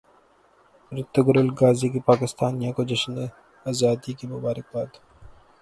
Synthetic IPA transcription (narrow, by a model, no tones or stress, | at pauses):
ɾɪt̪ːəɡʊɾɪlɡaːzikipaːkɪst̪aːnijãkod͡ʒɐʃne | ɐzaːt̪ikemʊbaːɾɪk̚baːd̪